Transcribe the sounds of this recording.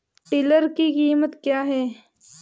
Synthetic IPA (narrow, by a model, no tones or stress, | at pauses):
ʈɪləɾkikiːmət̪kjaːɦɛː